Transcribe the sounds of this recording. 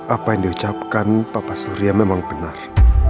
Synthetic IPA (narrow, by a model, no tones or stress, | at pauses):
ʔapajaŋdiut͡ʃap̚kanpapasuɾiamemaŋb̥ənar